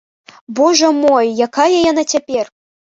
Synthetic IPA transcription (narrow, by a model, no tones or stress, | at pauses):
bɔʐɐmɔjːakajɐjanat͡sʲapʲɛr